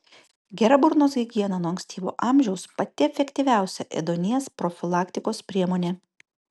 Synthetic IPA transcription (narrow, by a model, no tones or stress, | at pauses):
ɡʲɛɾɐbʊɾnoːs̬ʲɐɪɡʲiɛnɐnuɔɐŋksʲt̪ʲiːʋo̰ːʔɑːmʲʒʲɛʊspɐt̪ʲɪɛfʲɛkʲt̪ʲiːʋʲæˑʊsʲɛʔɛ̰d̪onʲiɛspɾɔfʲɪlˠɑːkt̪ʲɪkoːspʲɾʲiɛmoːnʲeː